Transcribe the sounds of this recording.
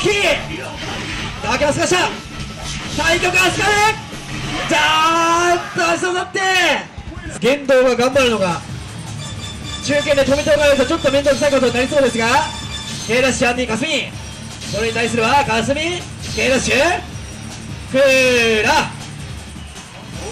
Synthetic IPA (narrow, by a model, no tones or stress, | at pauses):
kʲi | d̪akemasɨɡaɕa | saikʲokɯasɨ̥kaɾe | d͡ʑa | t̪ːoaɕi̥sonat̪ːe̞ | ɡẽ̞nd̪o̞ːɡaɡãmbaɾɯno̞ɡa | t͡ɕɨːkend̪e̞t̪o̞mʲĩt̪oɡajoɾɯ̟t̪ot͡ɕo̞t̪ːo̞mẽ̞nd̪okɯɨ̥t̪aiko̞t̪o̞ɲĩnaɾʲiso̞ːd̪e̞sɨɡa | he̞ːɾaɕiãɲʲːikasɨɲʲi | so̞ɾeɲit̪ais̬ɨɾɯβakas̬ɨmʲi | he̞ːɾaɕɯ | kɯɾa